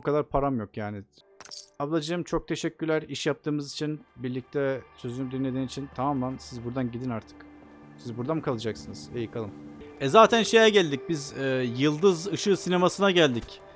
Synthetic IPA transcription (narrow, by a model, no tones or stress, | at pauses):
bukʰad̪aɾpʰaɾamjo̞kjaːni | ablˠad͡ʒɯɯmt͡ʃʰo̞k̚t̪ʰe̞ʃɛcʲːyɾlʲæɾiʃjap̚t̪ʰɯːmɯzit͡ʃʰinbiɾlʲic̚t̪ʰɛsø̞zynyd̪inlːʲe̞d̪iːnit͡ʃʰint̪ʰamamlansizbuɾd̪anɟid̪inaɾt̪ʰɯ̥k | sizbuɾd̪anmkʰalˠɯd͡ʒaksɯnɯz̥e̞jɯkʰalˠɯmɛzaːt̪ʰænʃe̞jɛɟælʲd̪ic̚bizɛːjɯlˠd̪ɯzɯʃɯsine̞masɯnaɟælʲd̪ic